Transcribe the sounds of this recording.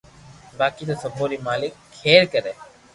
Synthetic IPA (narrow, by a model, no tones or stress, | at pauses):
baːkiːt̪oːsəbʱoːɾiːmaːlɪkʰːeːɾkəɾeː